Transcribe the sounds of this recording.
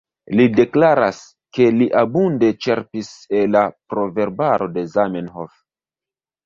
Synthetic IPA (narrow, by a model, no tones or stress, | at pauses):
lide̞klaɾas | ke̞liʔabunde̞t͡ʃe̞ɾpiselːapɾo̞ve̞ɾbaɾo̞de̞zamenɦof